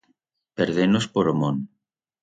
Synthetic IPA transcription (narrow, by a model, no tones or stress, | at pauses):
peɾðenospoɾomõn